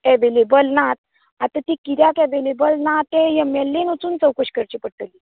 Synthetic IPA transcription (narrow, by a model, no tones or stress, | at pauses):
eʋelebəlnat̪̚ | at̪at̪ikiɾjakɛʋelebəlnat̪ẽjəmɛlːenut͡suːnt͡səwkəɕkəɾt͡ɕipəɽʈəli